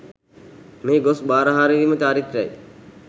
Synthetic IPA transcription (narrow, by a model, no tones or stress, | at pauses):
meːɡosbaːɾəɦaːɾiʋimət͡ʃaːɾit̪ɾɛ̰j